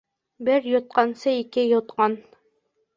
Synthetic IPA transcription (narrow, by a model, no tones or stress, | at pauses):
bɘɾjŏt̪̚qɑnsɤikɘjŏt̪̚qɑn